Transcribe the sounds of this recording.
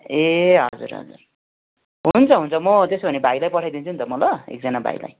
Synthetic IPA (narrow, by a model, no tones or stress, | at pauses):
eɦʌd͡zṵɾɦʌ̰d͡zṵr | ɦunt͡sʰʌɦunt͡sʰʌmʌt̪esbʱʌnebʱajlajpʌʈʰajd̪int͡sʰunt̪ʌmʌlʌḛk̚d͡zʌnabʱa̰j̰la̰j